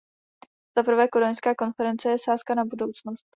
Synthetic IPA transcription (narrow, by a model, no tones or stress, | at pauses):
z̥apr̩vɛːkoɾoɲnskaːko̞nfɛɾɛnt͡sɛjɛsaːskanabudo̞wt͡snost̪